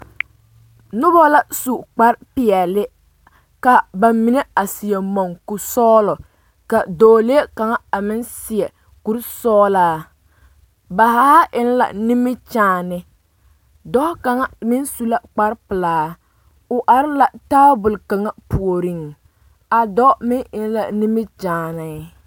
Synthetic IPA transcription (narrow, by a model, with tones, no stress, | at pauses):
nʊ˦bɔ˦la˨su˨k͡pa˦ɾpɪ˨ɛ˨lɪ˦ | ka˨ba˨mi˨nɛ˦a˨sɪ˨jɛ˨mɔ˨ŋkʊ˨sɔː˦lɔ˨ | ka˨doː˨le˦ka˨ŋa˦a˨mɪ˦nsɪ˨ɛ˨ | ku˦ɾsɔː˦laː˦ | ba˨ha˦ʔɪ˦n˦la̰˨ni˦mɪ˦t͡ʃaː˨nɪ˨ | dɔ˦ka˨ŋa˦mɪ˦nsu˦la˦k͡pa˦ɾpɨ˨laː˨˦ | ʊ˨ʔa˨ɾɪ˦la˨taː˦bʊ˨lka˨ŋa˦pu˨o˨ɾi˦ŋ | a˨dɔ˦mɪ˦ŋɪ˨n˦la˨ni˦mɪ˦t͡ʃaː˨nɪ˨˦